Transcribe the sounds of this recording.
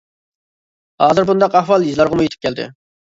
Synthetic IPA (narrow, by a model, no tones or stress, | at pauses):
hɑːzɨɾbund̪ɑqɑhwɑlˠjizlˠɑɾʁɑmujet̪ʰɪ̥p̚kʲʰɛld̪ɪ̰